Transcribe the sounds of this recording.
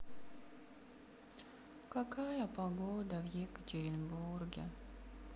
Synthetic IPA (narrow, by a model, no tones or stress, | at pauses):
kɐkajəpɐɡod̪əvjekətʲɪɾʲɪnburɡʲɪ̰